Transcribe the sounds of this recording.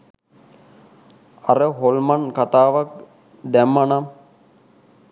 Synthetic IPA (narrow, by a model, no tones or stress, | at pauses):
aɾəɦolmankat̪aːʋak̚ | d̪ɛmːanam